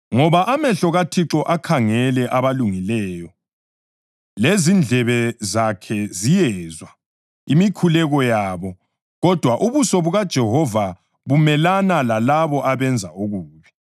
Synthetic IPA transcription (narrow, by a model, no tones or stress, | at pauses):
ŋɔβaʔamɛɬɔɣatʰiǁɔʔakʰaŋɛlɛʔaβaluŋilɛːjɔ | lezind͡ɮʱɛβɛzakʰɛzijɛzwa | imikʰulɛɣɔjaːβɔ | ɣɔd̥ʱwaʔuβusɔβuɣad̥ʒ̥ʱɛɦɔva | βumɛlanalalaβɔʔaβɛnd͡zʱauɣuːβi̥